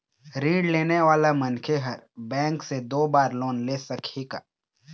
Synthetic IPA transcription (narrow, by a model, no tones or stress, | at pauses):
ɾĩːɽleːneʋaːlamɐnkʰeɦəɾbɛ̃ːŋksed̪oːbaːɾloːnleːsɐkʰika̰ː